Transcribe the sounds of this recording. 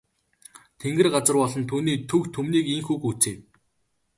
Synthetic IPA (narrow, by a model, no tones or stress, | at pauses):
t̪ʰeŋɡɘ̆rɢat͡sə̆rpɔɮɞ̆nt̪ʰuːniːt̪ʰɵkt̪ʰɵmniːkiŋxuːkut͡seː